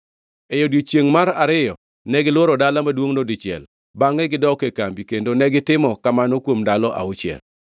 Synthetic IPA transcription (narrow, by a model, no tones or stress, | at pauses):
ejodjot͡ʃjeŋmaɾaɾɪjɔ | nɛɡɪlwoɾɔdalamadwoŋnodɪt͡ʃɪɛ̰l | baŋɛɡɪdɔkekambikendonɛɡɪtɪmɔkamanɔkwomdalɔʔa̰ʊt͡ʃɪɛ̰l